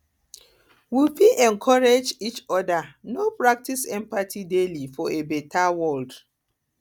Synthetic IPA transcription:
wifiʔɛ̃nkʰɔɹed͡ʒit͡ʃɔdanopɹak̚tisɛ̃mpatʰidelifɔebɛtawɔld

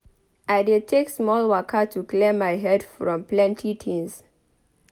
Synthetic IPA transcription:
ʔajdetʰeksmɔlwakʰətʰuklemːajɦɛdfɹɔ̃mplɛ̃ntʰitʰĩns

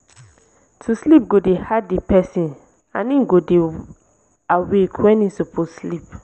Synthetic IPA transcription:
tʰuslip̚ɡodehadepɛsĩn | ã̰nĩɡode | awekʰwɛ̃nĩsoposlip

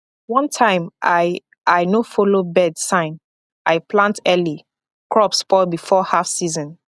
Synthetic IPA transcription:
wʌ̃ntʰãɪ̃ma | aɪnofolobɛdsãɪ̃n | ʔaɪplãntɛli | kʰɹɔpspɔbifɔhafsizɔ̃n

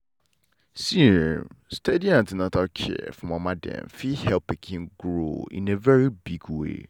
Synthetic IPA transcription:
siɹ̰mstediãntinãtakʰɛ̰fɹɔ̃mãmãdɛ̰̃nfihɛlpɛkʰɪ̃nɡɾo̰ḭ̃nevɛɹibiɡwḛ

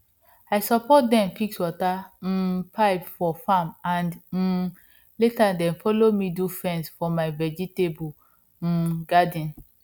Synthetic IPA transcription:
ajsɔpɔt̚dɛ̃mfikswɔtam̩pʰaɪpfɔfãmãnd̩ | letadɛ̃nfɔlomidufɹɛ̃nsfɔmaɪvɛd͡ʒitebu | ɡadɔ̃n

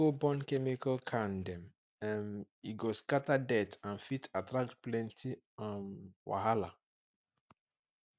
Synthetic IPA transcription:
obɔ̃nkɛmikalkʰãndɛ̃m | ɛ̃n | iɡoskatadɛtãnfitatɾak̚tplɛ̃ntʰi | ãnwa̰ɦala

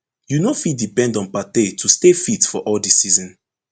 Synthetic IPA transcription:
junofitdipɛ̃ndɔ̃npatetʰustefitfɔʔɔldisizɔ̃n

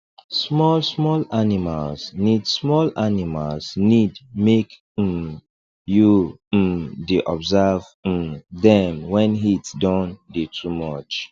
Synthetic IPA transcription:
smɔlsmɔlanimalznidsmɔlanimalznidmek̩ | ju | deʔɔbzav̩dɛ̃mwɛ̃nɦitdɔ̃ndetʰumɔt͡ʃ

